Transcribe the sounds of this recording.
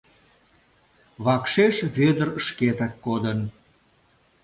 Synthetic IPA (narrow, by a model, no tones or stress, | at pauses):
βɑkʃeʃβød̪ə̆rəʃket̪ækːod̪ən